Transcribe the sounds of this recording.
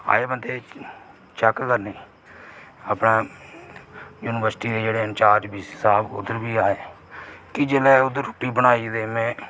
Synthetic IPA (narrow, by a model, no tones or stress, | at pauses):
a̰ːeːbənd̪eː | t͡ʃəkkəɾneː | aːpnaː | juːnɪʋəɾsʈiːd̪eːd͡ʒeːɽeːənt͡ʃaːɾd͡ʒbiːsɪsaːbʊ̰d̪əɾbiːaːeː | kɪd͡ʒeːlɛːʊd̪əɾʊʈːiːbəɽ̃aːiːd̪eːmɛ̃ː